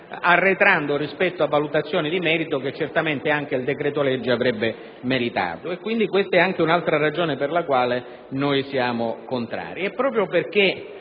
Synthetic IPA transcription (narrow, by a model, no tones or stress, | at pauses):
arːet̪ɾand̪orispɛt̪ːoavːalut̪at̪sːjoːnid̪imɛːɾit̪ok̟et͡ʃːert̪ament̪eaŋk̟eild̪ekɾɛːt̪olɛd͡ʒːiavɾɛbːe | meɾit̪a̰ːt̪oekːwind̪ikwest̪aɛaŋk̟eunalt̪ɾarad͡ʒoːneperlakwaːle | nojsjaːmokont̪ɾa̰ːɾiɛpːɾɔːp̬ɾjoperk̟e